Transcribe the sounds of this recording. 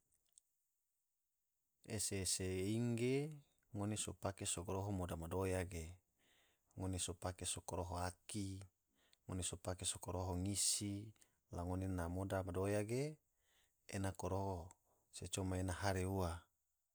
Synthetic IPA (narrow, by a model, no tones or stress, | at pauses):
eseseiŋɡe | ŋonesopakesoɡoɾoɦomodamadojaɡe | ŋonesopakesokoɾoɦoaki | ŋonesopakesokoɾoɦoŋisi | laŋonenamodamadojaɡe | enakoɾoɦo | set͡ʃomaenaɦaɾeua